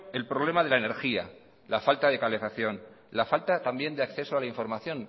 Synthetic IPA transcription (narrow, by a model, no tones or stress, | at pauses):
e̞lpɾo̞β̞le̞mað̞e̞laene̞ɾxia | lafalt̪aðe̞kale̞faθjo̞n | lafalt̪at̪ambje̞nd̪eakθe̞soalaiɱfo̞ɾmaθjõ̞n